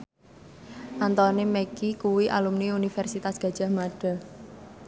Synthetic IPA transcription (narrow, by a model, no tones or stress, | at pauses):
ʔant̪ɔnemɛkikuwiʔa̰lumniunifɛrsit̪asɡ̥ä̤d̥ʒ̥a̤hmaɖ̥a̤